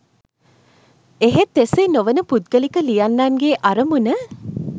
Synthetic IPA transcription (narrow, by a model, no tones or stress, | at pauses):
eɦet̪ːesenoʋənəpud̪̚ɡəlikəlijanːanɡeːʔaɾəmunə